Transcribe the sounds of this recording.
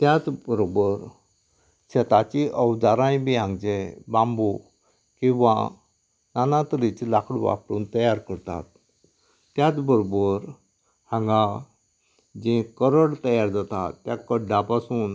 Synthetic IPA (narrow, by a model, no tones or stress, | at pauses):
t̪jat͡sbəɾobəɾ | ɕət̪at͡ɕiʔəʋd͡zaɾãjbiãŋɡd͡ʑebãmbu | kĩʋa̰ | nanat̪əɾit͡slakʰɽʋa̰pɾṵːnt̪əjaɾkəɾt̪a̰t̪̚ː | jat͡sbəɾobəɾ | hãŋɡa | d͡ʑẽkəɾəɽt̪əjaɾd͡zat̪at̪ːjakəɖːapasuːn